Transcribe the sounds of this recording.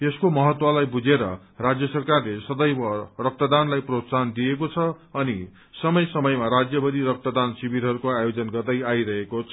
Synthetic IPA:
eskomʌɦʌt̪wʌlajbud͡zeɾʌ̰ | rad͡zjʌsʌrkarlesʌd̪ʌjbʌrʌk̚t̪ʌd̪anlajprot̪sand̪iekot͡sʰʌʌni | sʌmʌjsʌmʌjmaɾad͡zjʌbʌɾiɾʌk̚t̪ʌd̪ansibiɾɦʌɾukoajod͡zʌnɡʌrd̪ʌjajɾʌɦekot͡sʰʌ

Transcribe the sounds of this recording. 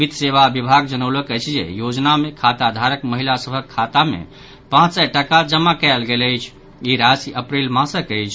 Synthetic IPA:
bid̪ʱseʋabibʱaɡd͡ʒənəwləkəjt͡ʃʰd͡ʒḛjod͡ʒnamekʰat̪ad̪ʱaɾəkməɦilasəbʱəkʰːat̪amḛ | pãt͡ʃsɛʈəkad͡ʒəmakɛlɡeləjt͡ʃʰ | iɾasiʔəpɾelmãsəkəjt͡ʃʰ

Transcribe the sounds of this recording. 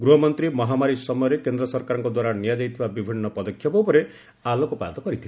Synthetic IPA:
ɡɾuɦɔmɔnt̪ɾimɔɦamaɾisɔmɔjɔɾekend̪ɾɔsɔɾkaɾɔŋkɔd̪waɾanijad͡ʒajt̪ʰibabibʱinːɔpɔd̪ɔkʰːjɔpɔpɔɾe | alokopa̰d̪t̪ɔkɔɾit̪ʰile

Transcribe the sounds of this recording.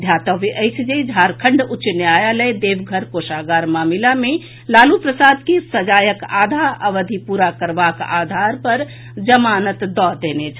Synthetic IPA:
d̪ʱjat̪əʋeʔəjt͡ʃʰd͡ʒed͡ʒʱaɾkʰə̃ɳɖut͡ʃnjajalɛd̪ebɡʱəɾkosaɡaɾmamilame | lalupɾəsad̪kesəd͡ʒajəka̰d̪ʱaəʋəd̪ʱipuɾakəɾbaka̰d̪ʱaɾpəɾ | d͡ʒəmanət̪d̪ɔd̪enet͡ʃʰ

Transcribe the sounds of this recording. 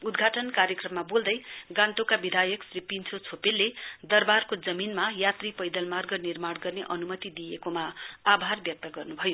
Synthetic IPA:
ud̪ɡʱaʈʌnkaɾjʌkrʌmːabold̪ʌjɡãnt̪okabid̪ʱajʌksripint͡sʰot͡sʰopelːed̪ʌrbarkod͡zʌminmajat̪ripʌjd̪ʌlmarɡʌnirmaɽɡʌrneʔʌnumʌt̪id̪ijekomaːbʱarbjʌk̚t̪ʌɡʌrnubʱʌjo

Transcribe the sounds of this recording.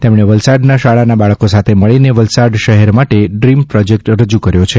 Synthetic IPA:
t̪emɽ̃eʋəlsaɖnaʃaɭanabaɭəkosat̪ʰeməɭineʋəlsaɖʃəɦɛɾmaʈeɖɾimpɾɔd͡ʒek̚ʈɾəd͡ʒukəɾjot͡ʃʰe

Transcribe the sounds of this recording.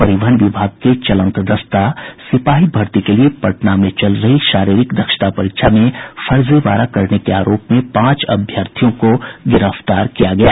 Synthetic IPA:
pɐɾɪʋəɳʋɪbʱaːɡ̚ket͡ʃɐlə̃nt̪d̪ɐst̪asɪpaːɦibʱɐɾt̪ikeliepɐʈnamẽt͡ʃɐlɾɐɦiʃaːɾiːɾɪkd̪ɐkʃə̥ʈ̪apɐɾɪkʃʰamẽfɐɾzeʋa̰ːɾakɐɾnekea̰ːɾoːpmẽpãːt͡ʃɐ̰bʱjəɾt̪ʰijõkoɡɪɾəft̪aːɾkijaɡɐjaː

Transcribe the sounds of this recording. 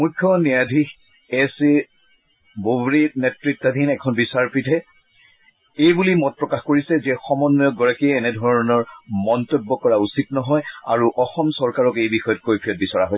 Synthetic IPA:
mukʰːjɔniadʱix | ɛse | bobɹinɛtɹik̚tadʱinɛkʰɔnbisaɹpitʰɛ | ejbulimɔt̚pɹɔkaxkoɹisɛzɛxɔmɔnːɔjɔk̚ɡɔɹakiːnɛdʱɔɹɔnɔɹmɔntɔbːɔkɔɹausitnɔɦɔja̰ɹuʔɔxɔmsɔɹkaɹɔkejbixɔjɔt̚kojpʰiɔt̚bisɔɹaɦojs

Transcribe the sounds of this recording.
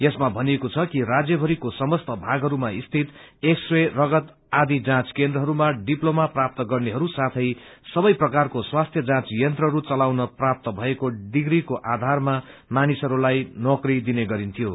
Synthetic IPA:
jesmabʱʌniekot͡sʰʌkirad͡zjʌbʱʌɾikosʌmʌst̪ʌbʱaɡɦʌɾumaist̪ʰit̪eksrerʌɡʌt̪ | ad̪id͡zãt͡skend̪ɾʌɦʌɾumaɖiplomaprap̚t̪ʌɡʌrneɦʌɾusat̪ʰʌjsʌbʌjprʌkarkoswast̪ʰjʌd͡zãt͡sjʌnt̪rʌɦʌɾut͡sʌlawnʌprap̚t̪ʌbʱʌekoɖiɡɾikoʔad̪ʱarmamanisʌɾulajnokrid̪ineɡʌɾint̪ʰijo

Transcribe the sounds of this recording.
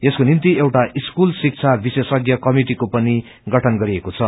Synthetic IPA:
eskonint̪iewʈaʔiskulsik̚t͡sʰabisesʌɡjʌkʌmiʈikopʌni | ɡʌʈʰʌnɡʌɾiekot͡sʰʌ

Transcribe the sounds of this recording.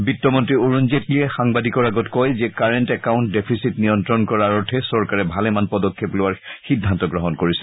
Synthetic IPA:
bitːɔmɔntɹioɹunzetliɛxaŋbadikɔɹaɡɔtkɔjzɛkaɹentɛkaʊ̃ntdepʰisitnijɔntɹɔnkɔɹaɹɔtʰɛsɔɹkaɹɛbʱalɛmanpɔdɔkʰːeplʊwaɹxidʱːantɔɡɹɔɦɔnkoɹisɛ̥

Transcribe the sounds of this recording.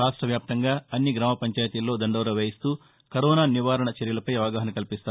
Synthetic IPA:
aːʂʈɾɐʋjaːp̚t̪ɐŋɡaːɐnːiɡɾaːmɐpɐɲt͡ʃaːjɐt̪ilːo̞ːd̪ɐɳɖɐːɾɐʋeːjist̪uː | kɐɾɔːnaːniʋaːɾɐɳɐt͡ʃeɾjɐlɐpɐjʋaːɡaːɦɐnɐkɐlipist̪a

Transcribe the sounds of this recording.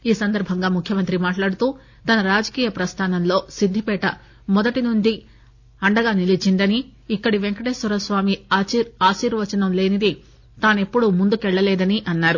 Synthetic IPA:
iːsɐnd̪ɐɾbʱɐŋɡaːmukʰjɐmɐnt̪ɾimaːʈlaːɽut̪uː | t̪ɐnɐɾaːd͡ʒɐkiːjɐpɾɐst̪ʰaːnɐmlo̞ːsid̪ʱːipɛːʈɐ | mɔd̪ɐʈinund͡ʒi | ɐɳɖɐɡaːnilit͡ʃind̪ɐniːkːɐɽiʋeŋkɐʈeːsuɾɐsʋaːmiaːsiːɾʋɐt͡ʃɐnɐmle̞ːnid̪i | t̪aːne̞pːuɽumund̪ukɛɭːɐlɛːd̪ɐniʔɐnːaːɾu

